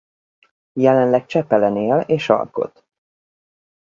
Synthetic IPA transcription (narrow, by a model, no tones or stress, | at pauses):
jɛlɛnlɛk̚t͡ʃɛpɛlɛneːleːʃɒ̰lko̞̰t̪